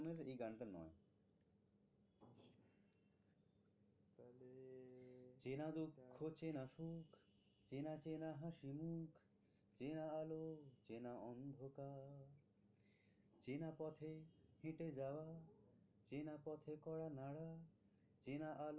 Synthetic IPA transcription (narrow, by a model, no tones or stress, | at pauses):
neɾejɡaɳʈanɔ̰e | t͡ɕenad̪ukʰːot͡ɕenaʃukʰ | t͡ɕenat͡ɕenaɦãʃimukʰ | t͡ɕenaalot͡ɕenaɔnd̪ʱokaɾ | t͡ɕenapɔt̪ʰehẽʈed͡ʑawa | t͡ɕenapɔt̪ʰekɔɽanaɽa | t͡ɕenaʔal